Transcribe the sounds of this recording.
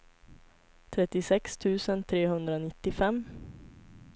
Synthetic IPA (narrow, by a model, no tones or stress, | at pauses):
t̪ʰɾɛt̪ːɪsɛkst̪ʰʉ̟ːsənt̪ʰɾeːhɵnd̪ɾanɪt̪ːɪfɛmː